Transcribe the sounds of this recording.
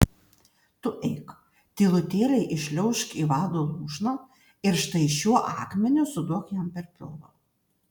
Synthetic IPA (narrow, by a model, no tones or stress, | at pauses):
t̪ʊʔɛɪk | t̪ʲɪlˠʊt̪ʲeːɾʲɐɪʔɪʃʲlʲɛʊʃkiːʋɑːd̪oːlˠuːʃnɐː | ɪɾʃt̪ɐɪʃʲuɔʔɑːkmʲɛnʲʊsʊd̪uɔkjɛmpʲɛɾpʲɪ̰lˠlˠo̰ː